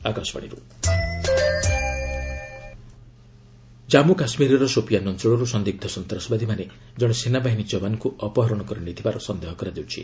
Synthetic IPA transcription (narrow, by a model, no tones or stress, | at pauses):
akɔsba̰ɽ̃ḭɾu | d͡ʒamukasmiɾɔɾɔsopjanɔntɔɭɔɾusɔnd̪ib̚d̪ʱɔsɔnt̪ɾɔsɔbad̪ʱimane | d͡ʒɔɽ̃ɔsenabaɦinid͡ʒɔbanɔkuɔpɔɦɔɾɔɽ̃ɔkɔɾɔnit̪ʰibaɾɔsɔnd̪eɦɔkɔɾad͡ʒ̪ewt͡ʃʰḭ